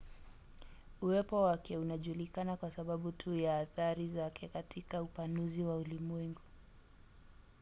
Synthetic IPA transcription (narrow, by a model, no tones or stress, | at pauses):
uwɛpɔwakɛunaʄulikanakwasaɓaɓutʰujaːθaɾizakɛkatʰikaupanuziwaulimuwɛŋɡu